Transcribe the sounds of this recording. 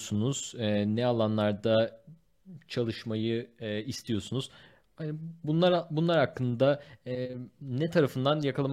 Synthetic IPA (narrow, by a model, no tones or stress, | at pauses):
sunuz̥ɛnɛalˠanlˠaɾd̪a | t͡ʃʰalˠɯʃmajɯist̪ʰijo̞sunuz̥ | hbunlˠaɾbunlˠaɾakːɯnd̪a | nɛt̪ʰaɾafɯnd̪anjakʰalˠam